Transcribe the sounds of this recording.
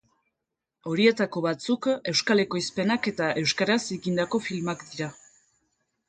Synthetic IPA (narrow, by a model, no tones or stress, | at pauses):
o̞ɾie̞t̪ako̞βat͡suke̞wskale̞ko̞ispe̞nake̞t̪aʔe̞wskaɾaseɣind̪ako̞filmakd̪iɾa